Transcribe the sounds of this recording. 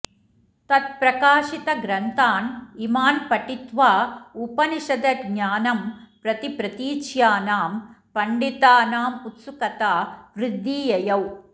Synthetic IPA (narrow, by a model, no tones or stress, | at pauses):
t̪ɐt̪̚pɾɐkaːʂit̪ɐɡɾɐnt̪aːnimaːnpɐʈːit̪ʋaːupɐniʂɐd̪ɐɾɲaːnɐmpɾɐt̪ipɾɐt̪iːt͡ʃjaːnaːmpɐɳɖit̪aːnaːmut̪sukɐt̪aːʋɾɪd̪ʱːiːjɐjɐw